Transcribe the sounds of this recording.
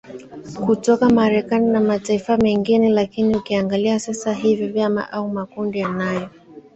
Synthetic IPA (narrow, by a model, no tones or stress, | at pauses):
kutɔkamaɾɛkaninamataifamɛŋɡinilakiniukiaŋɡaliasasaɦivjɔvjama̰ʔaumakundijanajɔ